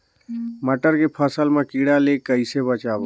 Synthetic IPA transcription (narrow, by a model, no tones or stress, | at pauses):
məʈəɾkepʰəsəlmekiɽalekəɪsebət͡ʃabo